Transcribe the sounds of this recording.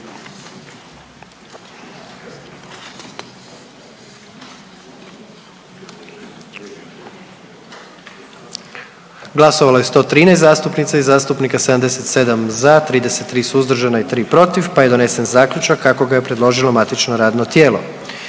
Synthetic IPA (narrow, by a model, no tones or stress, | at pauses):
ɡlˠasoʋalajest̪o̞ːt̪ɾiːnɛjst̪zaːst̪upnit̪saizaːst̪upnikased̪amd̪eset̪se̞d̪amzat̪ɾiːd̪eset̪ːɾiːsuuzd̪r̩ʒanait̪ɾiːpɾo̞t̪iʋpaje̞d̪o̞ne̞senzaːkʎʲut͡ʃakːako̞ɡaje̞pɾed̪lˠo̞ʒilomat̪it͡ʃnoɾaːd̪not̪jeːlo̞̰